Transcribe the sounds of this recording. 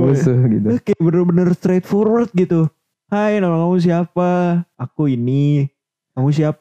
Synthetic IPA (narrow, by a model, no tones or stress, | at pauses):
əsəɡit̪uəkebənərbənərst̪ɾet̪̚fɔrwərt̪̚ɡit̪u | hajnalaŋamus̬iapaːkuini | amus̬iap